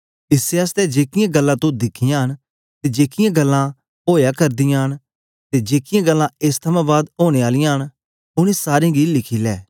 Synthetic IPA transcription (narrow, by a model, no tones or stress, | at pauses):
ɪseəst̪ɛd͡ʒeːkɪjãɡɐlːãːt̪õd̪ɪkʰɪjãːɦən | t̪ed͡ʒeːkɪjãɡɐlːã | ɦoːjaːkɐɾd̪ɪjãːɦən | t̪ed͡ʒeːkɪjãɡəlːãeːst̪ʰɐmãːbaːd̪ɦoːɽ̃eaːlɪjãɦən | ʊñisaːɾẽɡilɪkʰiːlɛː